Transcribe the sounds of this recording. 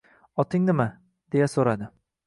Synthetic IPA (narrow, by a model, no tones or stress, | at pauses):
ɒt̪ʰɪŋnɪma | d̪̥e̞jasoɾad̪ɪ